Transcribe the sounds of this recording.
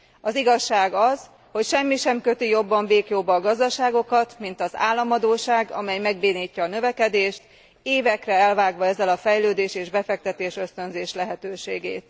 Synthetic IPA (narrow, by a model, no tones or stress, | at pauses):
ɒziɡɒʃːaːɡɒz | ho̞cʃɛmːiʃɛmkøt̪ijo̞bːɒɱbeːkjoːbːɒːɡɒzd̪ɒʃaːɡo̞kɒt̪mint̪ɒza̰ːlːɒmɒd̪oːʃaːɡɒ̰mɛjmɛɡbeːniːcːɒːnø̞vɛkɛd̪eːʃt̪ | eːvɛkrɛɛlvaːɡʋɒɛzːɛlɒfɛjløːd̪eːʃeːʒbɛfɛk̚t̪ɛt̪eːʃø̞st̪ønzeːʃlɛɦɛt̪øːʃeːɡḛːt̪